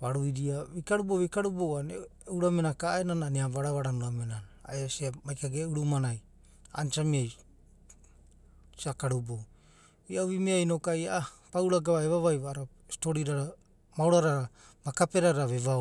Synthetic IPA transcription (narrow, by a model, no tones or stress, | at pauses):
baɾujɾiaβikaɾuboβikaɾubowaneuɾamenakaenananeaβaɾaβaɾanuɾamenana̰easiamajkaɡeuɾumanaj | a̰nt͡ʃamiaj | sakaɾubo | iaoβimeajno̞kajaapawɾaɡaβaeβaβajβaːɾa | stoɾiɾaɾa | mawɾaɾaɾa | makape̞ɾaɾaβeβa